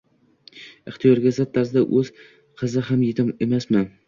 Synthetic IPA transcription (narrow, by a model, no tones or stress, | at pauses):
ɨχt̪ʰijɒɾɡʲasat̪ʰːaɾsɪd̪aʔɵz̥ | qʰɨzɪɦamjet̪ʰɪmemasmɪn